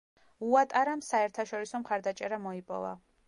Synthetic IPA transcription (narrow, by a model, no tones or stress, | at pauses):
uat̪ʼaɾamsaɛɾt̪ʰaʃɔɾisɔmχaɾd̪at͡ʃʼɛɾamɔipʼɔ̰va̰